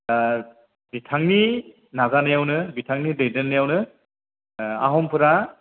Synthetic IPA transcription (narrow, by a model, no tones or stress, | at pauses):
bitʰaŋni | nazanɯjawnɯbitʰaŋnidejdɯnːɯjawnɯ | a̰ɦɔmpʰɯɾa